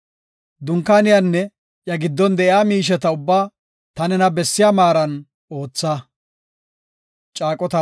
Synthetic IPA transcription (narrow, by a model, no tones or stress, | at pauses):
d̪ʊŋkːaːnɪjanːɛ | jɐɡɪd̪ːɔnd̪ɛʔɪaːmiːʃ̬ɛt̪ɐʊbːaː | t̪ɐnɛnɐbɛsːɪjaːmaːɾɐn | o̞ːt͡sːɐ | t͡ʃʼaːkʼɔt̪ɐ